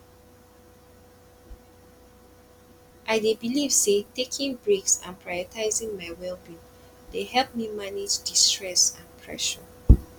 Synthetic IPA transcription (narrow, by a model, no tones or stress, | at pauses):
ʔaɪdebiliv̥setekʰĩŋbɹeksã̰npʰɹajɔtʰaɪzĩŋmaɪwɛlbĩ | dehɛlp̚mimaned͡ʒdistɹɛsãnpʰɹɛ̰ʃɔ